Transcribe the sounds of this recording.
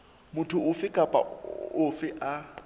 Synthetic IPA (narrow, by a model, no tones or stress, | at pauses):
mʊtʰʊʊfɪkʼapʼa̰ʊfɪʔa